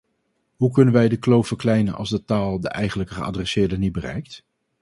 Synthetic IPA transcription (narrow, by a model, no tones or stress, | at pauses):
ɦukɵnənʋɛjdəklowfəɹklɛjnənʔɑ̰lˠzdətaːlˠdə̰ʔɛjχənləkəχəa̰drɛsɪːɹdənit̚bərɛ̰jk̚t